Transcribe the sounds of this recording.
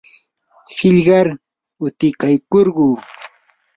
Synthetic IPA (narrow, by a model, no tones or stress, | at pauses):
hɪʎɢɑɾ | ʊt̪ɪkajkoɾɢuː